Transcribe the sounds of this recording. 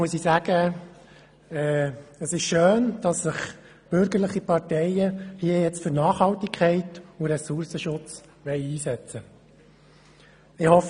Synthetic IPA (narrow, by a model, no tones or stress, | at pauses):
uəsisæɡ̥ə | ɛːəsɪʃʃøːnd̥ɑsːɪχ | b̥ʏɾɡəɾləχipɑɾtɛɪəhiəjɛt͡stfʏɾnɑːχhɑltikʰχɛɪtʊɾɛsuɾsəʃʊt͡s | ʋɛɪiːsɛt͡sə | ɪhɔf